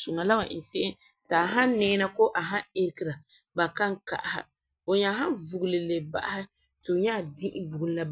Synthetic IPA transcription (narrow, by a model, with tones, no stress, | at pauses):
so˨ŋa˨la˦wa˨ʔɪ̰˨n˨se˦ɪ˦ | taː˨ɦa˦nɛː˦na˦ko˦ʔa˨ɦa˦e˦ɾki˨ɾa˨ | ba˨ka˦ŋka̰˨ʔa˨ha̰˨ | o˨ɲa˨˦ɦa˦nvu˨ɡlɨ˨le˨ba̰˦ʔa˦hɪ˦ | tu˨ɲa˦˨dĩ˦ʔɪ˦bu˨ɡn˦la˨